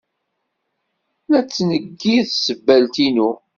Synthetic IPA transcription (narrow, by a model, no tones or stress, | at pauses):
læt͡sːnəɡːiðsəbːælt̪inu